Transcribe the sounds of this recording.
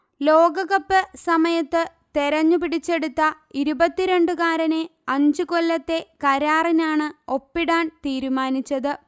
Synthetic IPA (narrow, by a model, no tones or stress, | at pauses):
lo̞ːɡɐɣɐpːɨsɐmɐjɐt̪ːɨ | t̪eɾɐɲːupiɽit͡ɕːe̞ɽut̪ːɐ | iɾubɐt̪ːiɾe̞ɳɖɨkaːɾɐneɐɲd͡ʑuko̞lːɐt̪ːe̞kɐɾaːrinaːɳɨo̞pːiɽaːnt̪iːɾumaːnit͡ɕːɐðɨ